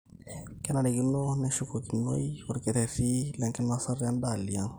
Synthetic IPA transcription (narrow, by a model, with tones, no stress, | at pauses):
kɛ˦na˨ɾɛ˨ki˦no˦nɛ˦ʃu˦ko˨ki˨no˦i˦wɔ˨ɾkɛ˨tɛ˨fi˦lɛ˨ŋkɛ˦na˦sa˦ɾa˦nda˨li˨a˦n